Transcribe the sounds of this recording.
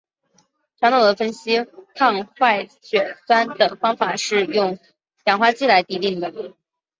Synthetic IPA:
ʈ͡ʂʰwa˧˥ŋt̪ʰɑ˨˩ʊd̪ə˧˩fə˥nɕi˥kʰɑ˥˧ŋxwa˥˩ɪɕɥɛ˨˩swa˥nd̪ə˨˩fɑ˥ŋfa˨˩ʂɻ̩˥˧jʊ˥˩ŋ | jɑ˨˩ŋxwa˥t͡ɕi˥la˧˥ɪt̪i˧˥t̪i˥˩ŋd̪ə˩

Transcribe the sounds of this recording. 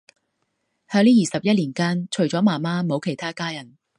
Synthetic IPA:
hœː˨˧ŋliː˥jiː˨sɐ˨p̚jɐ˥t̚liː˨˩nkaː˥nt͡ʃʰɵ˨˩ɥt͡ʃɔː˨˥maː˨˩maː˥mo˨˧wkʰe˨˩jt̪ʰaː˥kaː˥jɐ˨˩n

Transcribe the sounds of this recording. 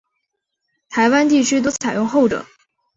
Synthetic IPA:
t̪ʰa˧˥ɪwa˥nt̪i˥˩t͡ɕʰy˥t̪̬wt͡sʰa˨˩ɪjʊ˥˧ŋxo˥˩ʊʈ͡ʂɤ̰˨˩˦ŋ

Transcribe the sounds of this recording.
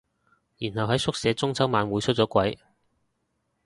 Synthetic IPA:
jiː˨˩nhɐ˨wɦɐ˨˥jsʊ˥k̚sɛː˨˧t͡sʊ˥ŋt͡sʰɐ˨˥wmaː˨˧nwuː˨˧jt͡ʃʰɵ˥t̚t͡sɔː˨˥kʷɐ˨˥j

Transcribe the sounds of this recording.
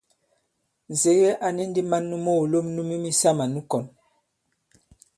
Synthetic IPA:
ze˨˦ɣe˦ʔa˨ni˦n˦di˦ma˦nːu˦mo˦˨lo˦mnu˦mi˦mi˦sa˦ma˨nu˦kɔ˨n

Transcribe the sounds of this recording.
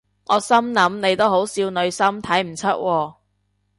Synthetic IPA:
ʔɔː˨˧sɐ˥mnɐ˨˥mne˨˧jt̪o˥wɦo˨˥wsiː˧wnɵ˨˧ɥsɐ˥mt̪ʰɐ˨˥jm̩˨˩t͡sʰɵ˥t̚wʔɔː˧

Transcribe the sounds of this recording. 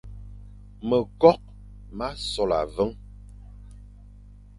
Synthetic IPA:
mə˨kɔ˦k̚ | ma˦sɔ˨la̰˨və˦ŋ

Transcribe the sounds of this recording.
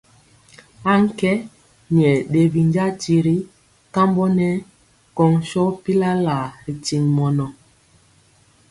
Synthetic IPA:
a˦ŋ̩˦kɛ˦ | ɲɛ˨ɗe˨bi˨nd͡ʒa˦ti˨ɾi˦ | ka˦mbɔ˦nɛ˦ | kɔ˨ŋʃɔ˦pi˦la˦la˨ɾi˨ti˨ŋmɔ˨nɔ˨

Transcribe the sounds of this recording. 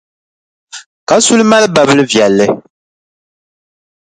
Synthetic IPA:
ka˨su˦lma˦lba˨bɨ˦lɨ˦vjɛ˨lːɨ˦

